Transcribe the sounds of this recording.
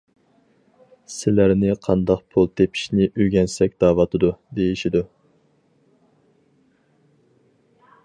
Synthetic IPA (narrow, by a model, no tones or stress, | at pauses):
sɪlæɾnɪqʰɑnd̪ɑqpʰulˠt̪ʰepʰi̥ʃnɪʔøɡʲɛnsɛkʲd̪̥ɑːwɑt̪ʰɨd̪ud̪ejiʃid̪u